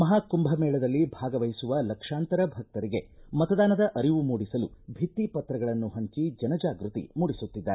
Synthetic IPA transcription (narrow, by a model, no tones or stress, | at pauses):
mɐɦaːkumbʱɐmɛːɭɐd̪ɐlːibʱaːɡɐʋɐjsuʋɐlɐkʂaːnt̪ɐɾɐbʱɐk̚t̪ɐɾiɡe̞mɐt̪ɐd̪aːnɐd̪ɐʔɐɾiʋumuːɽisɐlubʱit̪ːipɐt̪ɾɐɡɐɭɐnːuɦɐɲt͡ʃid͡ʒɐnɐd͡ʒaːɡɾut̪ḭmuːɽisut̪ːid̪ːaːɾ